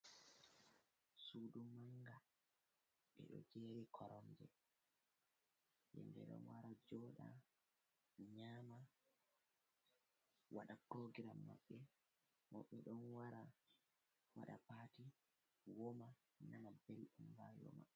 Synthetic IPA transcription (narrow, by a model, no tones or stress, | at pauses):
suːɗumaŋɡa | ɓɛ̰ɗɔ̰d͡ʒeɾikʰɔɾɔnd͡ʒɛ̰ | jɛ̰ndɛ̰ɗɔ̰nwaɾad͡ʒɔːɗa̰ | ɲaːma | waɗakoɡiɾama̰ɓːɛ | mɔɓːɛɗɔnwaɾa | wa̰ɗa̰paːti | wɔma | nanabɛlɗumbajɔ̰ma̰